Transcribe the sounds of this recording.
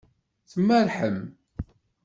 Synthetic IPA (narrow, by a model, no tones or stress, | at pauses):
θəmːæɾħəm